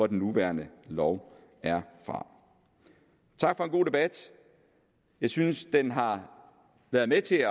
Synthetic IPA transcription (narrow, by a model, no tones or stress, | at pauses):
ɒd̥en̩ːuʋæɐnəlɒʊ | æɐfʁɑ̈ | t͡sʰɑ̈ɡ̥fɒ̽enɡ̥o̝̰ːd̥e̝b̥æd̥ | jɑ̈ɪsynsd̥enɦɑ̈ | ʋæɐðˠmet͡sʰe̝ɒ